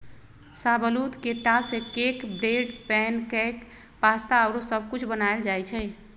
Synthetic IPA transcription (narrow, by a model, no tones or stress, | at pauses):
sabəlut̪keʈasekekbɾeɖpɛnkɛk | past̪aəwɾosəb̚ʱkut͡ʃʰbənaeld͡ʒajt͡ʃʰɛ